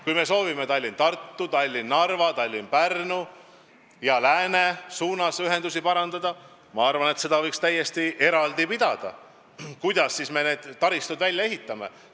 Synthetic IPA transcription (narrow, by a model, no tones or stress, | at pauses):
kujme̞so̞ːvime̞t̪ɑlʲːint̪ɑrt̪ːut̪ɑlʲːinːɑrvɑt̪ɑlʲːinpærnu | jɑlæːne̞suːnɑsyɦe̞nd̪usipɑɾɑnd̪ɑd̪̥ɑ | mɑɑrvɑne̞t̪se̞d̪̥ɑvɤjkst̪æjːe̞st̪iʔe̞ɾɑld̪ipid̪̥ɑd̪̥ɑ̰ | kujd̪̥ɑsːisme̞ne̞ːd̪̥t̪ːɑɾist̪ud̪vælʲjɑe̞ɦit̪ːˑɑme̞̰